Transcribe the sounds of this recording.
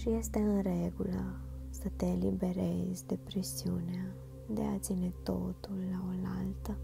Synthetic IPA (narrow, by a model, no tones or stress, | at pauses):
ʃijest̪eɨnɾeɡuləsət̪elibeɾezd̪epɾisiunea | d̪ea̰t̪sinet̪ot̪ulːaolalt̪ə